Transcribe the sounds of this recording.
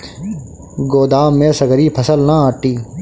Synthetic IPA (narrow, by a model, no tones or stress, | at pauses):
ɡoːd̪aːmːẽːsəɡɾiːpʰəsəlnaaːʈːiː